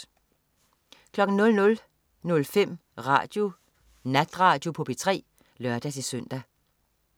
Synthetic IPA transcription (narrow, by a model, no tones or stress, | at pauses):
kʰlɒ̽ɡ̥n̩nɔ̽lnɔ̽l | nɔ̽lfem̰ʁɑ̰̈ːd̥jo̝ | næd̥ʁɑ̈ːd̥jo̝pʰɔ̽b̥et͡sʰʁɛ̰ː | lɶɐd̥æsisøn̰d̥æ